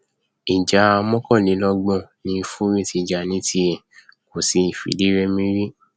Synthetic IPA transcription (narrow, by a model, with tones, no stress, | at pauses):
i˨d͡ʒa˨˦a˧mɔ̃˦kɔ̃˦˨nĩ˨˦lɔ˧ɡ͡bɔ̃˦˨nĩ˧˦fũ˦ɾĩ˦ti˨˧d͡ʒa˨nĩ˨˦ti˦ɛ˦˨ko˨si˧˦i˨fḭ˨˦di˨˦ɾɛ˦mĩ˦ɾĩ˦